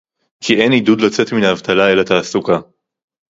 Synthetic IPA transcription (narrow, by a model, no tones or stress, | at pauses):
kʰiʔe̞nidud̪lat͡se̞t̪minaːvt̪alaelat̪aːsuka